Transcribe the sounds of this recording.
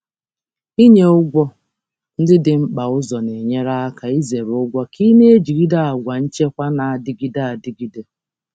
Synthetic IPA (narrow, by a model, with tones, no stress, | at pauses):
i˦ɲe˦ʊ˦ɡʷɔ˦ | n̩˦dɪ˦dɪ˨ŋ͡m̩˦k͡pa˨ʊ˦zɔ˨ne˨ɲe˦ɾa˦a˦ka˨i˦ze˨ɾʊ˦ɡʷɔ˦ki˦ne˦e˦d͡ʒi˨ɡi˦da˦a˨ɡʷa˨n̩˦t͡ʃe˦kʷa˦na˨a˨dɪ˦ɡi˦da˦˨a˨dɪ˦ɡi˦de˦